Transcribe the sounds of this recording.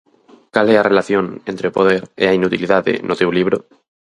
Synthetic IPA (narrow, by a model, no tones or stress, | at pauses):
kalearelaθjõnẽnt̪ɾepoð̞eɾeainut̪iliðaðḛnʔot̪ewliβ̞ɾo